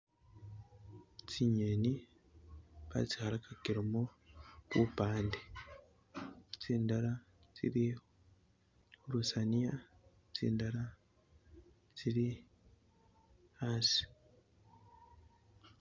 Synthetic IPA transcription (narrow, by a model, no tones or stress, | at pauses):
t͡siɲeni | βa̰t͡si̥haɾakakiɾomokupaːnde | t͡siːndaɾa | t͡sḭɾi | uɾusanija | t͡sḭːndaɾa | t͡siɾi | hasi̥